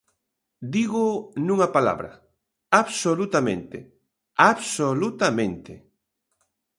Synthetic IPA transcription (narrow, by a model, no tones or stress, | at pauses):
d̪iɣʊnũŋɐpala̰βɾɐ̰ | aβsolut̪amẽnt̪e | aβsolut̪amẽnt̪e